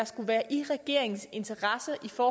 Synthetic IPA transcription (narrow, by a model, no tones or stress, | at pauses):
ɑsɡ̥uʋæːɐʔiʁɛɡ̥e̝ɐ̰e̝ŋn̩se̝nt͡sʰɐʁɑ̈sɐʔifɒː